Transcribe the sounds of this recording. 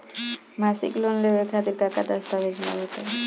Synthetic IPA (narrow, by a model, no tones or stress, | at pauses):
masḭklonlewekʰat̪iɾkakad̪ast̪abed͡ʑʰla̰bot̪e